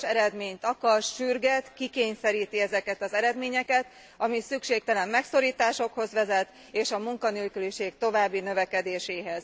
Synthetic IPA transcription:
ʃɛɾɛd̪meːɲt̪ɒkɒʃʃyrɡɛt̪kikeːɲsɛɾiːt̪iɛzɛkɛt̪ɒzɛɾɛd̪meːɲɛkɛt̪ | ɒmisykʃeːk̚t̪ɛlɛmːɛkso̞ɾiːt̪aːʃo̞kho̞zʋɛzɛt̪ | eːʃɒmuŋkɒnelkyliʃeːkt̪o̞vaːbːinø̞vɛkɛd̪eːʃeːɦɛz̥

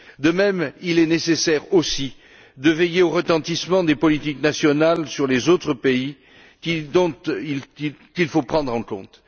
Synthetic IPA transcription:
d̪əmɛmilɛnesesɛʁosi | d̪əvejeoʁət̪ɑ̃t̪ismɑ̃d̪epɔlit̪iknasjɔnalsyʁlezot̪χəpei | kid̪ɔ̃t̪ikilfopχɑ̃d̪ʁɑ̃kɔ̰̃t̪

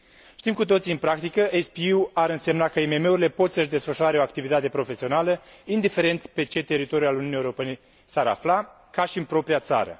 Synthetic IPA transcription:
ʃt̪imkut̪o̞t̪siɨnpɾak̚t̪ikəʔespiuaɾɨnse̞mnakəime̞me̞uɾile̞po̞t̪səʃd̪e̞sfəʃuaɾe̞oakt̪ivit̪at̪e̞pɾo̞fe̞sionaləind̪ife̞ɾe̞nt̪pe̞t͡ʃe̞t̪e̞ɾit̪o̞ɾjualuniuunijeuɾope̞ne̞ | saɾa̰fla | kaʃiɨnpɾo̞pɾiat̪sa̰ɾə̰

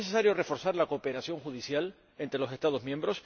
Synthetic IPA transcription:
eses̬aɾjo̞re̞fo̞ɾsaɾlako̞ːpe̞ɾasjo̞ŋxuðisjal | e̞nt̪ɾe̞lo̞se̞st̪aðo̞zmjẽmbɾo̞s

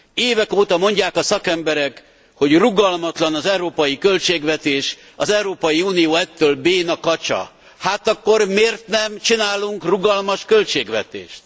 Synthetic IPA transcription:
eːvɛkoːt̪ɒmo̞ɲɟaːkɒsɒkɛmbɛɾɛk | ho̞ɟruɡɒlmɒt̪lɒnɒzɛuɾoːpɒjikø̞lt͡ʃeːɡvɛt̪eːʃ | ɒzɛuɾoːpɒjiuːnijoːɛt̪ːøːlbeːnɒkɒt͡ʃɒ̰ | haːt̪ɒkːo̞rmeːrt̪nɛmt͡ʃinaːluŋkruɡɒlmɒʃkø̞lt͡ʃeːɡʋɛ̰t̪ḛːʃt̪

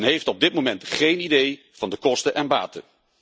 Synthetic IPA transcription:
nɦejftɔb̚dɪt̚momɛntχejnidej | v̥ɑndəkɔstənʔɛnba̰ːtə

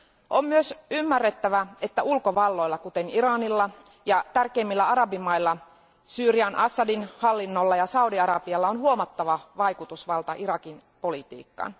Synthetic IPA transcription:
ʔommyøsymːærːet̪ːæʋæet̪ːæulkoʋɑlːo̞ilːɑkut̪eniɾɑnilːɑ | jɑt̪ærkeimːilːæɑɾɑbimɑilːɑ | syːɾiɑnʔɑsːɑdinhɑlːinːolːɑjɑsɑudiɑɾɑbiɑlːɑonɦuomɑt̪ːɑʋɑʋɑjkut̪usʋɑlt̪ɑʔiɾɑkin | po̞lit̪ḭːkːɑ̰ːn

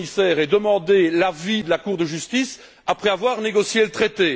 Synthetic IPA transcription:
isɛːʁɛd̪əmɑ̃d̪elavid̪əlakuːʁd̪əʒyst̪is | apχɛavwaʁneɡɔsjelət̪χet̪e

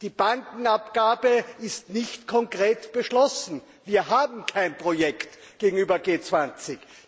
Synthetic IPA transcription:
d̥iːb̥aŋkŋ̩apɡ̥aːbəɪstnɪçtkʰɔŋkʁeːtb̥əʃlɔsn̩ | viːɐɦaːbm̩kʰaɪnpʁ̥ojɛktɡ̥eːɡŋ̩yːbɐɡeːt͡sv̥ant͡sɪç

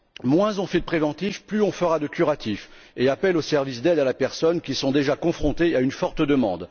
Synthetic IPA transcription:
mwɛ̃zɔ̃fɛd̪əpχevɑ̃t̪ifplyɔ̃fəʁad̪əkʲyʁat̪if | eapɛlosɛʁvisd̪ɛd̪alapɛʁsɔnkʲisɔ̃d̪eʒakɔ̃fχɔ̃t̪eaynfɔʁt̪d̪əmɑ̰̃d̪

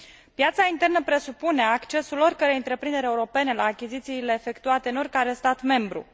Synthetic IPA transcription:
pjat̪saint̪e̞rnəpɾe̞supuneakt͡ʃe̞sulo̞rʲkəɾejɨnt̪ɾe̞pɾind̪eɾeuɾo̞pe̞ne̞laːkʲizit̪siːle̞ːfe̞kt̪uat̪e̞ɨno̞rʲkaɾe̞st̪at̪me̞mbɾṵ

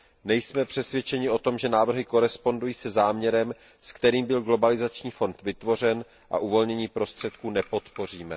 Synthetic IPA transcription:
nɛjsmɛpr̝̥ɛsvjɛt͡ʃɛɲɪo̞t̪o̞mʒɛnaːvr̩ɦɪko̞ɾɛspo̞ndujiːsɛzaːmɲɛɾɛm | skt̪ɛɾiːmbɪlɡlo̞balɪzat͡ʃɲiːfo̞nt̪vɪt̪vo̞r̝ɛn | ʔa̰ʔuvo̞lɲɛɲiːpɾo̞st̪r̝̥ɛt̪kuːnɛpo̞t̪po̞r̝iːmɛ

